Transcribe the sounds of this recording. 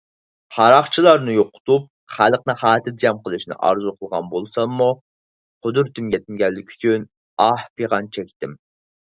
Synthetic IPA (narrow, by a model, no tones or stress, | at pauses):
hɑɾɑχt͡ʃʰilˠɑɾnɨjoqʊ̥t̪up̚ | χælˠəqnɨχɑːt̪ʰɪd̪jɑmqəlˠɨʃnɪ̰ʔɑ̰ɾzuqʰəlˠʁɑ̰nbolˠsɑnːu | qʰʊd̪uɾt̪ʰymɡʲɛt̪̚mɡʲɛlːɪkʲʰy̥t͡ʃʰyn | ɑhpeʁɑnt͡ʃʰɛkʲt̪ɪm